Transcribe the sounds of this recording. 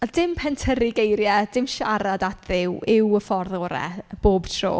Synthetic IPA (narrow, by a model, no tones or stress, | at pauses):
ad̥ɪmpʰɛntʰəɾɪɡejɾjad̥ɪmʃaɾadatʰðɪwɪwəfɔrðɔːɾɛ̰b̥oːb̥tʰro̰ː